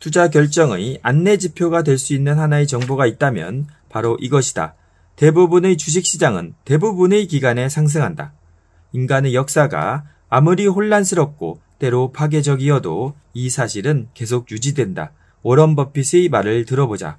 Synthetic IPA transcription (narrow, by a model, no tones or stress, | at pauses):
tud͡ʑak̬jʌɭt͡ɕ͈ʌŋɯanːe̞d͡ʑipʰjoɡadwe̞ɭs͈uinːɯnhanaet͡ɕʌŋboɡait̚t͈amjʌ̰n | paɾoʔiɡʌɕʰi̥d̥a̰ | te̞bubunɯt͡ɕud͡ʑ̬ʰik̚ɕ͈id͡ʑaŋɯ̰nte̞bubunɯkiɡane̞sʰaŋs̬ʰɯŋɦanda̰ | inɡanɯjʌk̚s͈aɡa̰ː | muɾiɦoɭːansʰɯɾʌk̚k͈o̰t͈e̞ɾopʰaɡe̞d͡ʑʌɡijʌdo̰ | isʰaɕʰiɾɯnke̞s̬ʰok̚jud͡ʑidwe̞nda̰ | ʌɾʌnbʌpʰisʰɯmaɾɯɭtɯɾʌbod͡ʑa̰